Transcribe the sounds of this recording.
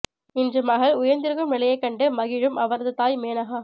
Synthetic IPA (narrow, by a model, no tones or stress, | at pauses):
ɪndrɯmɐːɣɐɭʊjɐɾnd̪ɪɾɯɣɯmnɪlɐjɐɪkːɐɳɖɯmɐɣɪɻɯmʔɐʋɐɾɐðɯt̪aːjmeːnɐɣaː